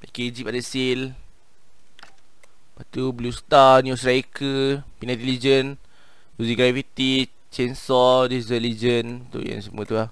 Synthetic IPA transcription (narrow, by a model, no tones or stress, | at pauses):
akeid͡ʒip̚adəsil | bat̪ublust̪anjusɾajkʰəpinãt̪ilid͡ʒən | buziɡɾafit̪i | t͡ʃɛnsɔdizəlid͡ʒənt̪ṵja̰nsəmuət̪uah